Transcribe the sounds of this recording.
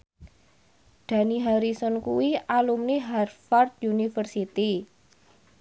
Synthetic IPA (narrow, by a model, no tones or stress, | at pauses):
d̪̥ä̤niɦaɾisɔnkuwialumniɦarfart̪junifərsit̪i